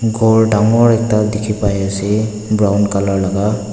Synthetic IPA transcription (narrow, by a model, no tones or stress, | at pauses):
ɡɔɹdaŋɔɹɛk̚tadekʰipajasi | bɹawnkalɔɹlaɡa